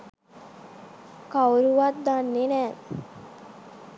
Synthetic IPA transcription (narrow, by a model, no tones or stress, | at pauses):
kawuɾuʋat̪̚d̪anːenɛː